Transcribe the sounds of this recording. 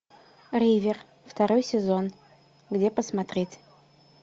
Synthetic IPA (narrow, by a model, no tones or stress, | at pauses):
rʲivʲɪr | ft̪ɐɾojsʲɪzo̞n | ɡdʲepəsmɐt̪ɾʲetʲ